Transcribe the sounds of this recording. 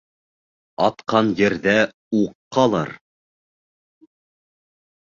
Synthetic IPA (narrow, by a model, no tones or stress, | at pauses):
ɑt̪qɑnjɘ̆ɾðæ | uqːɑlˠɑ̰ɾ